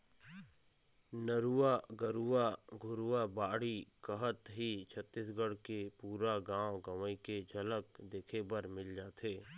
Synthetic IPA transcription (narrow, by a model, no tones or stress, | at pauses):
nəɾuaɡəɾuaɡʱʊɾuabaːɽikəɦət̪ɦit͡ʃʰət̪ːisɡəɽkepuːɾaɡãːwɡɐʋəiked͡ʒʱɐləkd̪eːkʰebəɾmɪld͡ʒaːt̪eː